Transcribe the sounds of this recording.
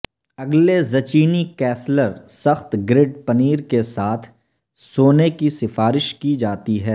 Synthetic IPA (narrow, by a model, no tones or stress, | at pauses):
ɐɡlezɐt͡ʃiːnikɛːsləɾsɐxt̪ɡɾɪɖpɐniːɾkesaːt̪ʰ | soːnekisɪfaːɾɪʃkid͡ʒaːt̪iɦɛː